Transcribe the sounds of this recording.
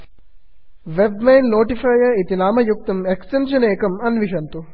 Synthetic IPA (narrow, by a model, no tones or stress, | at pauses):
ʋebmejnːoːʈifaːjɐit̪inaːmɐjuk̚t̪ɐmeksʈenʃɐneːkɐmɐnʋiʃɐnt̪u